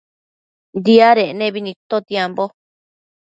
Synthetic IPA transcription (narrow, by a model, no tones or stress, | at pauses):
nd̪iaɾeʔnẽβinĩt̪ot̪jembo